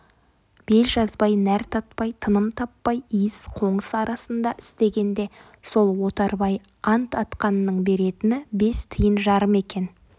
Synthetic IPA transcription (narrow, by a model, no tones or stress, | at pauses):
b̥e̞lʒɑzbɑjnæɾt̪ʰɑt̪̚pɑjt̪ʰənəmt̪ʰɑpːɑjijɪsqʰo̞ɴəsɑɾɑsənd̪ɑʔɪst̪e̞ɡʲe̞nd̪e̞ | so̞lˠwo̞t̪ɑɾbɑj | ɑnt̪ɑt̪qɑnːəɴbe̞ɾe̞t̪ɪnɪbe̞st̪ʰəjənʒɑɾəme̞kʲe̞n